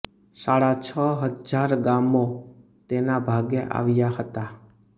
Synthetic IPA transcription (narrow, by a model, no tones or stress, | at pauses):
saɽat͡ʃʰəɦəd͡ʒaɾɡamo | t̪enabʱaɡeʔa̰ʋjaɦət̪a